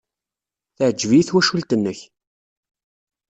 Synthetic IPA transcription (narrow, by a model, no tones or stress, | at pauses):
θəʕəd͡ʒviiθwæʃult̪ənːəç